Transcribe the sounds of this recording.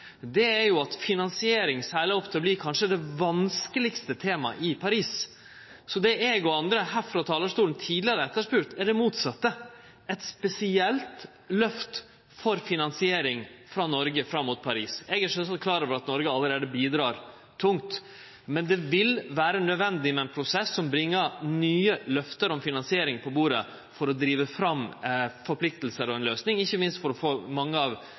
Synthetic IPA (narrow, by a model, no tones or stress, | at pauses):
d̪ɛæɾjʊɑt̪fɪnɑnsɪeːɾɪŋsæːlɪɔpt̪ʰɪlɔbliːkʰɑnʂəd̪ɛʋɑnskəlɪkst̪ət̪ʰeːmɑ̰ʔɪpʰɑɾiːs | sɔd̪ɛʔɛɡɔɑnd̪ɾəhæɾfɾɑt̪ʰɑːləʂtuːln̩t̪ʰiːd̪lɪəɾəɛt̪ːəʂpʉɾt̪ɛɖɛmuːt̪sɑt̪ːə | ɛt̪spɛsɪɛlt̪ | lœft̪ | fɔɾfɪnɑnsɪeːɾɪŋfɾɑnɔɾɡəfɾɑmːuːt̪̚pʰɑɾiːsɛɡəʂœsɑkʰlɑːɾəʋəɾɑt̪nɔɾɡəɑlːəɾeːd̪əbiːd̪ɾɑːɾ | t̪ʰʊŋt̪ | mɛnd̪ɛʋɪlʋæːɾənœd̪ʋɛnd̪ɪmɛɛnpʰɾʊsɛsːɔmbɾɪŋːəɾnyːəlœft̪əɾɔmfɪnɑnsɪeːɾɪŋpʰɔbuːɾə | fɔɾɔd̪ɾiːʋəfɾɑmːfɔɾpʰlɪk̚t̪lsəɾɔɛnløːsnɪŋɪçːəmɪnst̪fɔɾɔfoːmɑŋːəɑʋ